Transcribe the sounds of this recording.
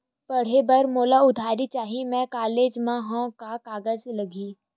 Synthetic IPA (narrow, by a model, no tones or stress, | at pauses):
pɐɽ̤ebəɾmoːlaʊd̪ʱaːɾit͡ʃaːɦimɛ̃kaːleːd͡ʒmãɦõkakaːɡəd͡ʒlɐɡʱiː